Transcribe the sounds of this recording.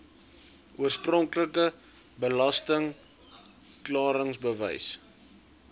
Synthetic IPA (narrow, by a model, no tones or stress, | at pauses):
ʔuərsprɔŋkləkə | bəlɐstəŋ | klɑːɾəŋsbəvə̰js